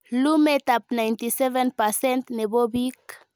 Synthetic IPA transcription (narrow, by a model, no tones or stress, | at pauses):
lumet̪ap̚nãjnt̪isevenpasɛ̃nt̪neβobik